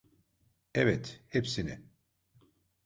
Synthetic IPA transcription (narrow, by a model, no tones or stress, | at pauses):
ɛvɛt̪hepsinɪ̰